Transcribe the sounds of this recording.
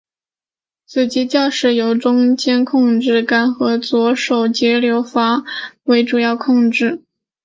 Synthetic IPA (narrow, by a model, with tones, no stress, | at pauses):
t͡sʰɹ̩˨˩t͡ɕi˧˥t͡ɕjɑ˥˧ʂɻ̩˥˩jo˧˩ʊʈ͡ʂʊ˥ŋt͡ɕjɛ˥nkʰʊ˥˧ŋʈ͡ʂɻ̩˥˩ka˥nxɤ˧˥t͡swɔ˧˥ʂo˨˩ʊt͡ɕjɛ˧˥ljo˧˥ʊfa˧˥we˧˥ɪʈ͡ʂu˨˩jɑ˥˧ʊkʰʊ˥˧ŋʈ͡ʂɻ̩˥˩